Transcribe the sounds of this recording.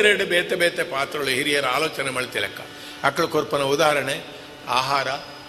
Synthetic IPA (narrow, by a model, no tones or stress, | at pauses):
ɾeɽɯbeːt̪ebeːt̪epaːt̪ɾɐɐɭuɦiɾijɐɾaːloːt͡ʃɐnɐmɐɭt̪ɛlɐ̰kːɐ̰ | ɐkːɐɭkoɾpɐnɐud̪aːɦɐɾɐɳe | aːɦaːɾɐ